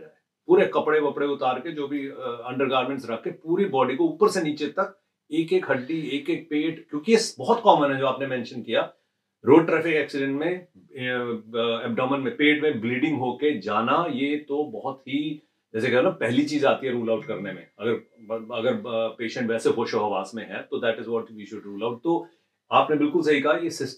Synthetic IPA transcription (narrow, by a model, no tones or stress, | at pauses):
a | puːɾekɐpɽekɐpɽeʊt̪aːɾked͡ʒoːbʱiɐ̃ɳɖəɾɡaːɾmẽɳʈsɾɐkʰːepuːɾibɔːɖikouːpəɾseniːt͡ʃet̪ɐk̚ | eːkeːkɦɐɖːieːkeːk̚peːʈkjõːkijesbɔɦɔt̪kɔːmənɦɛd͡ʒoːaːpnemɛ̃ːnʃənkijaː | ɾoːɖʈɾɛːfʰɪkɛːksɪɖɛ̃ɳʈmẽ | ɛːp̚ɖɔːmənmẽpeːʈmẽbliːɖɪ̃ŋɡɦoːked͡ʒaːnajet̪obɔɦʊt̪ɦi | d͡ʒɛːsekɛlãpɛɦlit͡ʃiːzaːt̪iɦɛɾuːlaʊʈkɐɾnemḛ̃ɐɡəɾɐɡəɾpeːʃə̃ɳʈʋɛːsexoːʃoɦɐʋaːsmẽɦɛt̪od̪ɛːʈɪzʋɔːʈʋiːʃʊɖɾuːlaːʊʈ̚t̪o | aːpnebɪlkʊls̬ɐɦikɐɦajesɪs